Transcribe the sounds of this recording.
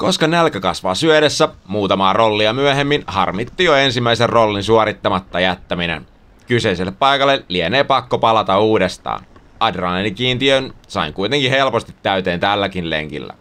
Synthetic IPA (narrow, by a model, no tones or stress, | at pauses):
ko̞skɑnælkækɑsʋɑːsyøɾesːæmuːt̪ɑmɑːro̞lːiɑmyøɦemːinhɑ̰rmit̪ːijoensimːæiserrolːinsuɑɾit̪ːɑmɑt̪ːɑjæt̪ːæminḛn | kyse̞iselːeppɑjkɑlːelieneːpɑkːopɑlɑt̪ɑuːdest̪ɑ̰ːn | ɑdrɑnenikiːnt̪iønsɑ̰iŋkujt̪eŋkihe̞lpost̪i̥t̪ːæyɥt̪eːnt̪ælːækinlḛŋkḭlːæ̰